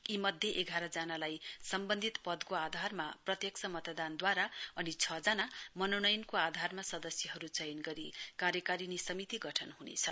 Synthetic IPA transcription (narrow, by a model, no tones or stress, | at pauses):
imʌd̪ʱjʌʔeɡʱaɾʌd͡zanalajsʌmbʌnd̪ʱit̪pʌd̪koad̪ʱarmaprʌt̪jʌksʌmʌt̪d̪and̪waɾaʌnit͡sʰʌd͡zanamʌnonʌjnkoad̪ʱarmasʌd̪ʌsjʌɦʌɾut͡sʌjnɡʌɾikaɾjʌkaɾinesʌmit̪iɡʌʈʰʌnɦunḛt͡sʰʌ